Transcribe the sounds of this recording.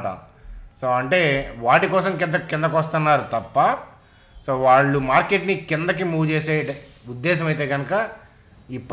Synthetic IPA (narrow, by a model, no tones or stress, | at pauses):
ʈɐ̰ | soːɐɳʈe̞ːʋaːʈikɔːsɐmkɪnd̪ɐkɪnd̪ɐkʋɐst̪unːaːɾut̪ɐpːɐ | soːʋaːɭːumaːɾke̞ʈnikɪnd̪ɐk̬imuːɡt͡ʃeːseː | ud̪ːɛːʃ̬ɐmɐjt̪e̞ːɡɐnɐkɐ | ipː